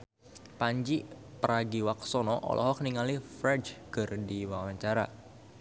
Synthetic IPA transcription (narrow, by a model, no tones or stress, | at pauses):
paɲd͡ʒi | pəɾaɡiwak̚sɔnɔʔɔ̰lʔɔ̰ɦɔk̚niŋalifɾɛt͡ʃkərdiwawaɲt͡ʃaɾa̰